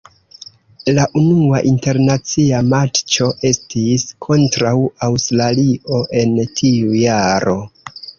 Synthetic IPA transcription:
laʔunuaʔinte̞ɾnat͡siamat͡ʃt͡ʃo̞ʔe̞stiskʰo̞ntɾawawstɾalio̞ʔe̞ntʰiujaɾʔo̞

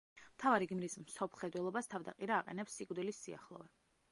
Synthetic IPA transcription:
mt̪ʰavaɾiɡmɾismsɔpʰlˠχɛd̪wɛlˠɔbast̪ʰavd̪aqʼiɾaːqʼɛ̰nɛpsːiɡd̪ilisːia̰χlˠɔ̰vɛ

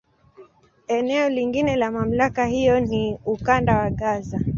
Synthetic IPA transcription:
ɛnɛɔliŋɡinɛlamam̩lakahijɔniukandawaɠaza

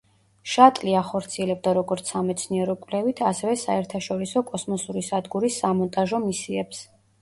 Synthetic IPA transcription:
ʃat̪ʼliaχɔɾt̪sʰiɛlɛb̚d̪aɾɔɡɔɾt̪sʰamɛt̪sʰniɛɾɔkʼwlɛvit̪ʰasɛvɛsaɛɾt̪ʰaʃɔɾisɔkʼɔsmɔsuɾisad̪ɡuɾisːamɔnt̪ʼaʒɔmisiɛps

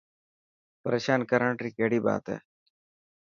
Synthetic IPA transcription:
pəɾeːʃaːnkəɾəɳʈɾiːkeːɽiːba̰ːt̪ɦɛ̰ː

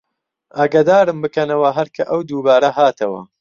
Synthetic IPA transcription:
ʔaːɡad̪aːɾɨmbɨkɐnɐwɐɦɐɾkʰɐʔɐwd̪uːbaːɾɐɦaːt̪ʰɐwɐ̰

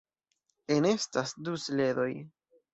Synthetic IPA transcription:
e̞ne̞stasdusle̞do̞j

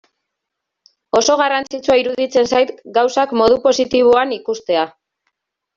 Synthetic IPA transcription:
o̞so̞ɣarant͡sit͡suaiɾuðit͡se̞nsajt̪ɡawsakmo̞ðupo̞sit̪iβ̞oanikust̪e̞a

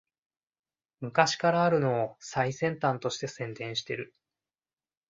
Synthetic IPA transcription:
mɯ̟kaɕi̥kaɾaːɾɯ̟no̞ːsaisẽ̞nt̪ãnt̪o̞ɕi̥t̪e̞sẽ̞nd̪ẽ̞ɰ̃ɕi̥t̪e̞ɾɯ̟

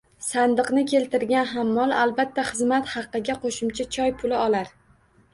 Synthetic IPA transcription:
sand̪ɨqnɪkʲʰe̞lt̪ʰɪɾɡʲanɦamːɒlˠalˠbat̪ʰːaχɨzmat̪hɑqːɨɡʲaqʰoʃʊmt͡ʃʰat͡ʃʰɒjpʰʊlɪɒlaɾ

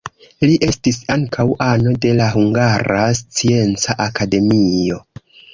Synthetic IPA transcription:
liʔe̞stisaŋkʰawʔano̞de̞laɦuŋɡaɾast͡sie̞nt͡saʔakade̞mio̞

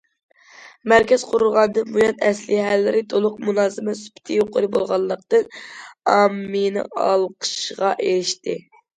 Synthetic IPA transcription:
mæɾkʲɛz̥qʰʊɾulˠʁɑnd̪ɨnbujɑnɛslɪɦælːɪɾɪt̪ʰolˠʊqmunɑːzɨmɛsu̥pʰɪ̥t̪ʰɨjoqʰʊɾɨbolˠʁɑlˠːəq̚t̪ɨnɑmːɨnɨ̰ɑlˠqʰə̥ʃʁɑʔeɾɪʃt̪ʰɪ

